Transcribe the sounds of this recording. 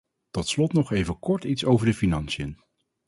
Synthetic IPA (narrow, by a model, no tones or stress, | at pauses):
tɔtslɔtnɔχejvəkɔɹtitsowvəɹdəfinɑnsijən